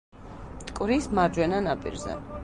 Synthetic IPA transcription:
t̪ʼkʼvɾismaɾd͡ʒwɛnanapʼḭɾzɛ̰

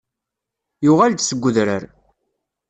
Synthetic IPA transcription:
jʊʁald̪səɡʷːʊðɾəɾ

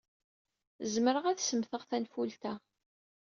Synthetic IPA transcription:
zməɾəʁæθsəmθəʁθænfult̪æ

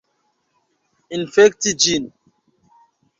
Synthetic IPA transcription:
infɛktid͡ʒin

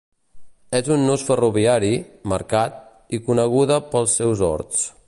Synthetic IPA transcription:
ɛzunːusfəruβiaɾimə̰ɾkat̪̚ | ikunəɣ̞uðəpəlˠsːɛwzɔ̰ɾt̪t͡s

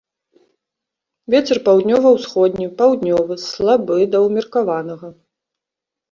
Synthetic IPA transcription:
vʲɛt͡sʲɛrpawd̪ʲnʲɔvɐwsxɔd̪ʲnʲipawd̪nʲɔvɨslˠabɨd̪ɐwmʲirkavanɐɣɐ

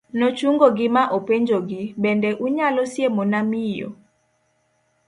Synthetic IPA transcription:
nɔt͡ʃuŋɡoɡɪmaʔopeɲd͡ʒoɡɪbɛndɛʔuɲalɔsjemɔnamijɔ̰

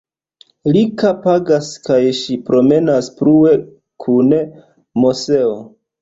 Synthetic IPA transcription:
likapaɡaskajʃipɾo̞me̞naspɾue̞ | kʰune | mose̞o

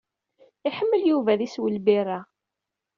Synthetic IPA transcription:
ɪħəmːəljuvæðiswəlbiɾa

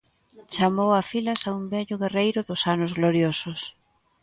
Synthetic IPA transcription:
t͡ʃamowafilɐsaumbɛʎʊɣerejɾʊðʊsanʊzɣloɾjosʊs

